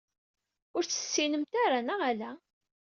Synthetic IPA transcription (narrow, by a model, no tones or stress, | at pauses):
ʊɾt͡sːə̥sːinəmt̪aɾanəʁælæ